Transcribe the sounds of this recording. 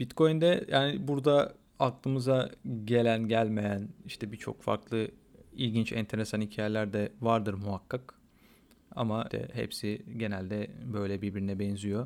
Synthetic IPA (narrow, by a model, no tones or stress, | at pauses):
b̥it̪kʰo̞jnd̪ɛjʔaːnibuɾd̪a | ak̚lˠɯmɯzaɟe̞lʲænɟælʲme̞jæniʃt̪ʰɛbit͡ʃʰo̞̰kfa̰ɾklˠɯ | ilʲɟint͡ʃɛnt̪ʰe̞ɾesanhicʰaːjelʲæɾd̪ɛvaɾd̪ɯɾmuɦakʰːak | a̰mat̪ʰɛ̰hḛpsiɟe̞nælʲd̪ɛbø̞jlʲɛbiɾbiɾinɛbɛnzijo̞